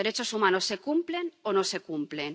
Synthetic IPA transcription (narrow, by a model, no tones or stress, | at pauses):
eɾe̞t͡ʃo̞sumãnosːe̞kumple̞nono̞se̞kumple̞n